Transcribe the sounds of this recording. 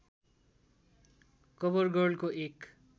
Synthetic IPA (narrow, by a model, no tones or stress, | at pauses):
kʌbʌrɡʌrlkoek